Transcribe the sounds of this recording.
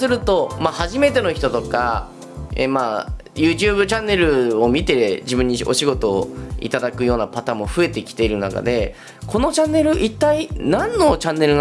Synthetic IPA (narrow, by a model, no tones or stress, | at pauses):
sɨɾɯ̟t̪o̞mahaʑime̞t̪e̞no̞çi̥t̪o̞t̪o̞ka | ḛːmaː | jɯ̟ːt͡ɕɨːbɯ̟t͡ɕãnːe̞ɾɯ̟o̞mʲit̪e̞ʑibɯ̟̃ɲ̟ːio̞̰ɕiɡo̞t̪o̞ːḭt̪ad̪akɯ̟jo̞ːnapat̪ãːmːo̞ɸɯe̞t̪e̞kʲi̥t̪e̞iɾɯ̟naka̰d̪e̞ | ko̞no̞t͡ɕãnːe̞ɾɯ̟ʔit̪ːainãnːo̞t͡ɕãnːe̞ɾɯ̟n